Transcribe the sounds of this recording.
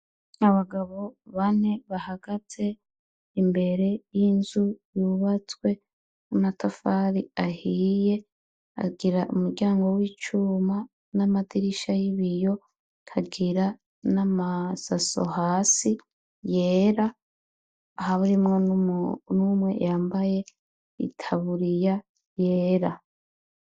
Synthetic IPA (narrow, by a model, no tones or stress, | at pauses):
aβaɡaβo̞βane̞βahaɡ̥at͡se̞ | imbe̞ɾe̞jinzujuːβat͡swe̞ | umatafaɾiahije̞ | a̰ɡiɾaʔumuɾɡɟaːŋɡo̞wiːt͡ʃuma | namadiɾiʃajiβijo̞ | kʰaɡiɾa | namasaso̞̰haːsi | je̞ːɾaː | haβuɾimŋo | numwe̞̰jaːmbaje̞ | ḭtʰaβuɾija | jeːɾa